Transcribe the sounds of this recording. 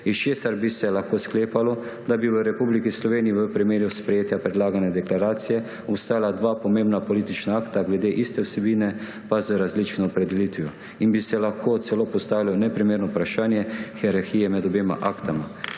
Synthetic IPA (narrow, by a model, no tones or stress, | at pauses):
it͡ʃeːsaɾbisɛlaxkoːskleːpalɔd̪abiʋəɾɛpublikislɔʋeːniiʋəpɾimeːɾjuspɾɛjeːt̪japɾɛd̪laːɡanɛd̪ɛklaɾaːt̪sijɛ | ɔpst̪aːjalad̪ʋaːpɔmẽmbnapɔliːt̪it͡ʃnaaːkt̪aɡlɛd̪eʔist̪ɛwsɛbiːnɛ | pazəɾazlit͡ʃnɔːpɾɛd̪ɛliːt̪ʋijɔ | inbisɛlaxkʰoːt̪sɛloːpɔst̪aːʋilɔnɛpɾimeːɾnɔpɾaʃaːnjɛxɛɾaɾxijɛmɛd̪ɔbeːma̰ʔaːkt̪ama